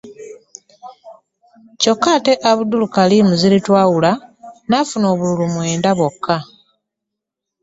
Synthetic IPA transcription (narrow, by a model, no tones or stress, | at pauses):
co̞kːate̞ʔaβudulukalimuzilitwaːwulanafuno̞ːβululumwe̞ːndaβokːa